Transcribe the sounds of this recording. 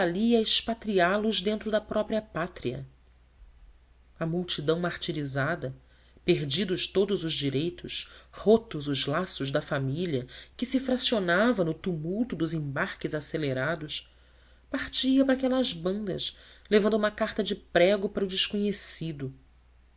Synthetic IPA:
valiɐɐɪʃpat̪ɾialʊzd̪ẽnt̪ɾʊd̪ɐpɾɔpɾiɐpat̪ɾiɐ̰ | ɐmuwt͡ʃid̪ɐ̃w̃maχt͡ʃiɾizad̪ɐ | peɾd͡ʒid̪ʊʃt̪od̪ʊzʊzd͡ʒiɾejt̪ʊʃhot̪ʊzʊzlasʊʒd̪ɐfamiʎɐkɪsifɾasionavɐnʊt̪umuwt̪ʊd̪ʊzẽbaɾkɪzaseleɾad̪ʊʃ | paχt͡ʃiɐpɾakɛlɐzbɐ̃nd̪ɐ̰ʃlevɐ̃nd̪ʊumɐkaɾt̪ɐd͡ʒɪpɾɛɡʊpaɾʊd͡ʒɪʃkoɲesid̪ʊ

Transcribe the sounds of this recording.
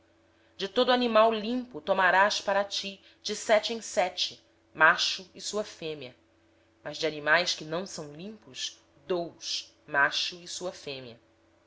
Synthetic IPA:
d͡ʒɪt̪od̪ʊanimawlĩmpʊt̪omaɾaspaɾɐt͡ʃi | d͡ʒɪsɛt͡ʃɪẽj̃sɛt͡ʃɪ | maʃʊɪsuɐfẽmiɐ | mɐzd͡ʒɪanimajskɪnɐ̃w̃sɐ̃w̃lĩmpʊʃs | d̪owʃ | maʃʊɪsuɐfẽmiɐ

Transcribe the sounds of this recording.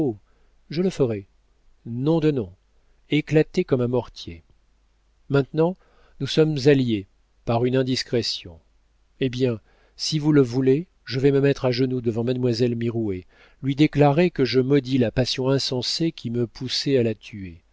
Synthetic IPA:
o | ʒələfəʁɛ | nɔ̃d̪ənɔ̃ | eklat̪ekɔmɛ̃mɔʁt̪je | mɛ̃t̪nɑ̃ | nusɔmzalje | paʁynɛ̃d̪iskχesjɔ̰̃ | ebjɛ̃ | sivuləvule | ʒəvɛməmɛt̪χaʒənud̪əvɑ̃mad̪mwazɛlmiʁue | lɥid̪eklaʁekəʒəmɔd̪ilapasjɔ̃ɛ̃sɑ̃sekʲʰiməpʰusɛalat̪ʰye

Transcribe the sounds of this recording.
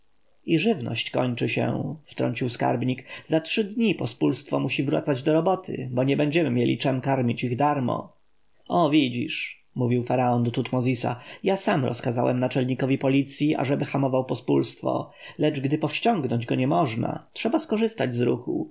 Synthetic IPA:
iʐɘvnɔ̰ɕt͡ɕkɔɲt͡ʂɘɕɛ̰ft̪ɾɔ̰ɲt͡ɕiwska̰ɾbɲikzatʂɘd̪ɲipɔspulst̪fɔmuɕivɾwa̰t̪sad͡ʑd̪ɔɾɔbɔt̪ʰɘ̰bɔɲɛbɛɲd͡ʑɛmɘmʲjelʲʔḭt͡ʂɛmkaɾmʲit͡ɕiɣd̪aɾmɔ̰ | ɔvʲid͡ʑḭʂ | muvʲiwfaɾaɔnd̪ɔt̪ut̪mɔzʲisa̰jasamɾɔ̰skazawɛmnat͡ʂɛlɲikɔvʲipɔlʲit̪sʲjiʔa̰ʐɛbɘxamɔvawpɔspulst̪fɔ̰ | lɛd͡ʐɡd̪ɘpɔfɕt͡ɕɔŋɡnɔɲd͡ʑɡɔɲɛmɔʐna̰tʂɛbaskɔʐɘst̪ad͡ʑzɾṵxṵ

